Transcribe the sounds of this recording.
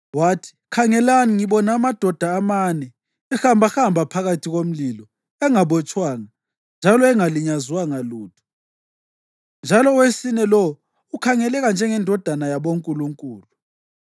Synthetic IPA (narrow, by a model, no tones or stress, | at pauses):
watʰi̥kʰaŋɛlaniŋiβɔnaːmad̥ʱɔd̥ʱaːmanɛ | ɛxambʱaxambʱapʰaɣatʰiɣom̩lilɔ | ɛŋaβɔt͡ʃʼwaːŋa | nd͡ʒʱalɔɛŋaliɲazwaŋaluːtʰu̥ | nd͡ʒʱalɔwesinɛlɔ | ukʰaŋɛlɛɣand͡ʒʱɛŋɛndʱɔd̥ʱanajaβoŋkʼuluŋkʼuːlu